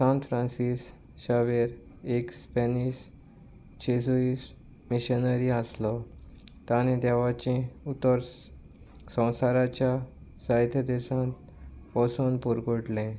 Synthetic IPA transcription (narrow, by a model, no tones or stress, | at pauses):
sãnt̪fɾãnsis | ɕaʋeɾ | ekspenis | t͡ɕʰesuis | miɕənəɾiəslɔt̪aned̪aʋat͡ɕẽut̪ːəɾ | sə̃w̃saɾat͡ɕjasaɦit̪ʰjəd̪esãt̪ | pɔsunpuɾɡoʈlẽ